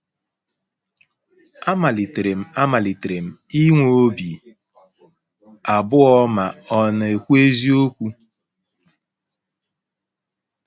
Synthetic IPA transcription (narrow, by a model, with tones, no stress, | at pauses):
a˦ma˨li˨tɾe˨m̩˨a˦ma˨li˨tɾe˨m̩˨i˦ŋʷo˨o˦bi˨ | a˨bʊ˦ɔ˦ma˨ɔ˨na˨e˨kʷu˦e˦zi˦o˦kʷu˦